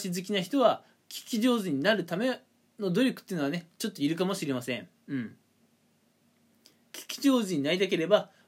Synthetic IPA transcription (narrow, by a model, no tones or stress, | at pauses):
ɕizɨkʲinaçi̥t̪o̞βa | kʲi̥kʲiʑo̞ːzɨɲ̟inaɾɯ̟t̪ame̞ | no̞d̪o̞ɾʲo̞kɯ̥t̪ːeiɯ̟noane̞t͡ɕo̞t̪ːoiɾɯ̟kamo̞ɕiɾe̞masẽ̞ɴ | ɯ̃ɴ | kʲi̥kʲi̥ʑo̞ːzɨɲ̟inaɾid̪ake̞ɾe̞ba